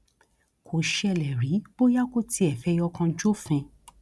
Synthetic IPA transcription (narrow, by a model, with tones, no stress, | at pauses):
kʰo˨ʃɛ˦˧˨lɛ˨ɾi˨˦b̥o˦ja˦ko˦˨ti˧˦ɛ˨fɛ˧jɔ˧kã˧d͡ʒo˦fɛ̃˧